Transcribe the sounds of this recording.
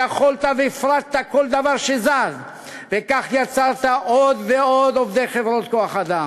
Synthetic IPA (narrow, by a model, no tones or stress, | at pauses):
aχolt̪aveifʁat̪t̪ako̞ld̪avaʁʃezaz | vekaχjat͡saʁt̪aʔod̪veod̪ovd̪e̞jχevʁo̞t̪ko̞aχad̪am